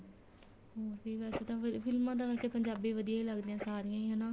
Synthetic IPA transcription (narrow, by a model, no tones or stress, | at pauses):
oːbiːʋɛːseːt̪ãːpʰɪlmãːd̪ãːʋɛːseːpəɲd͡ʒaːbiːʋəd̪ijaːiːləɡd̪ɪjãːsaːɾɪjãːiːɦɛnaː